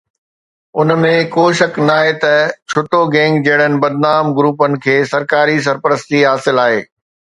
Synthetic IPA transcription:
ʊnmẽkoːʃɐknaːɦet̪ɐt͡ɕʰʊt̪oɡẽːŋɡd͡ʑɐɦɪɽ̤̃ənɪ̆bɐd̪naːmɡɾuːpənɪ̆kʰeːsɐɾkaːɾis̬ɐɾpəɾəst̪iɦaːsɪlaːɦeː

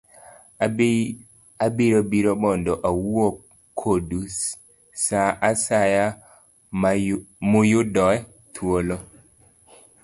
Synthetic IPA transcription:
abiɾobiɾoɓɔndɔʔawuo | kʰodu | saʔasaja | mʊjʊdɔɛ | tʰwolo

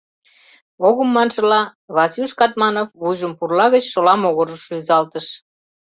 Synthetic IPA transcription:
oɣəmːɑnʃə̆lɑβɑsyʃkɑt̪̚mɑnofβuʒəmpurlɑɣət͡ɕʃolɑmoɣoɾəʃyzɑlt̪əʃ

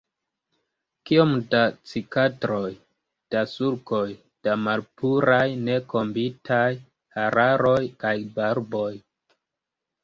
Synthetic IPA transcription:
kiomdat͡sikatɾo̞j | d̥asuɾkoj | d̥amalpuɾajne̞ko̞mbitʰaj | haɾaɾo̞jkajbaɾbo̞j

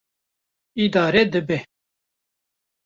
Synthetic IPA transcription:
id̪aːɾɛd̪ɨbɛ

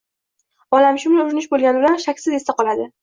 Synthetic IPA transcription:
ɒlamʃʊmlaʊɾɪnɪʃbolˠɡʲanɪbɪlanʃakʲsɪze̞st̪aqʰɒlad̪ɪ

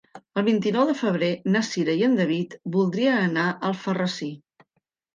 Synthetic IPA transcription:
əlˠβ̞int̪inɔwðəfəβ̞ɾenəsiɾəiənd̪əβit̪bulˠd̪ɾiənənaʔəlˠfərəsi

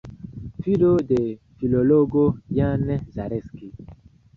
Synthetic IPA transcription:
fidode | filoloɡojanzaɾɛski

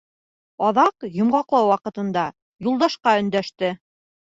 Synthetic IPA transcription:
ɑðɑqjŏmʁɑqlˠɑwwɑqɤ̆t̪ɤ̆nd̪ɑ | julˠd̪ɑʃqɑɵ̆nd̪æʃt̪ɘ

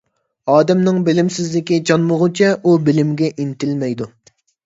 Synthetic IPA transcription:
ɑːd̪ɛmnɪŋbɪlɪmsɪzlɪkʲit͡ʃʰɑnmʊʁʊt͡ʃʰɛʔubɪlɪmɡʲɛʔint̪ʰɪlmɛjd̪u

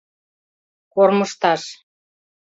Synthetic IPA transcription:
korməʃt̪ɑʃ

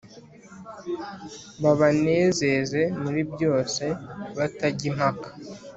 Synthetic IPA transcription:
βaβane̞ːze̞ze̞muɾibjo̞ːse̞βataɟim̥hakḁ

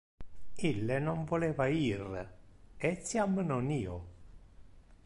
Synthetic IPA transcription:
ilːenoɱvoleːvaiːr | et̪sjamːnoniːo

